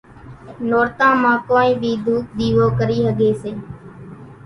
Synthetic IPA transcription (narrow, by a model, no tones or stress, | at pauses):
noːɾt̪ãːmãːkoːnĩːbʱiːd̪ʱuːk̚ɗ̪iːʋoːkəɾiːɦəɠeːseː